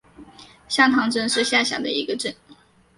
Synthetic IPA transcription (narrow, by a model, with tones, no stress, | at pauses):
ɕja˥˩t̪ʰɑ˧˥ŋʈ͡ʂə˥˧nʂɻ̩˥˧ɕja˥˩ɕja̰˨˩d̪ə̰˦i˧˥ɡə˧ʈ͡ʂə˥˩n